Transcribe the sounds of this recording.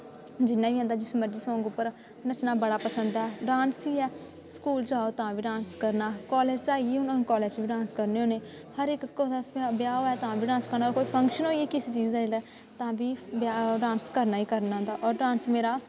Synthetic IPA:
d͡ʒɪnːaːʋiːɛ̃ːnd̪aːd͡ʒɪsməd͡ʒiːsɔ̃ːŋɡʊpːəɾ | nət͡ʃnaːbəɽaːpəsənd̪aɛːɖãːnsiːɛː | skuːlt͡ʃaːoːt̪ãːʋiːɖãːnskəɾnaːkɔːleːd͡ʒt͡ʃaːieːʊnonkɔːleːd͡ʒʋiːɖãːnskəɾneːɦoːneː | həɾɪkːobjaːoːɛːt̪əãːbiːɖãːnskəɾnaːkoːiːpʰəŋkʃənɦoːiɛːkɪseːt͡ʃiːd͡ʒd̪aːeːlɛː | t̪ãːbiːbaɖãːnskəɾnaːiːkəɾnand̪aːʔɔːɾɖaːnsmeːɾaː

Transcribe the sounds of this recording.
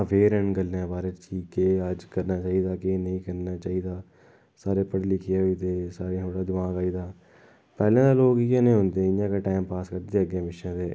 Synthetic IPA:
ʋeːɾɛ̃ːɳɡəlːãːbaːɾeːt͡ʃiːkeːəd͡ʒkəɾnaːt͡ʃaːiːd̪aːkːnəĩːkəɾnaːt͡ʃaːiːd̪aː | saːɾeːpəɽlɪkʰɪjaːiːt̪eːsaːɾẽːt̪ʰoːɽaːd̪ʊʋãːkaːiːd̪aː | pɛːlãːd̪aːloːkiːãːnẽːɦõːnd̪ẽːɪãːkeːʈaːɪmpaːskəɾd̪eːəɡjẽːʋɪʃãːt̪eː

